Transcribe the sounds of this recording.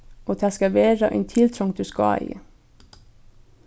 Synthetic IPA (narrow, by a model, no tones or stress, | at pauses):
ʔoːt̪ʰæːskɑʋeːɾɑʔɛ̰ːnt̪ʰɪlt̪ʰɾʊŋd̪̥ʉːskɑ̰ːḭː